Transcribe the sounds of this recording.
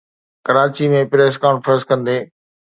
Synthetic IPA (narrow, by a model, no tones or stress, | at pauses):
kəɾaːt͡ɕimẽpɾeːskaːnfɾə̃nskɐ̃nd̪eː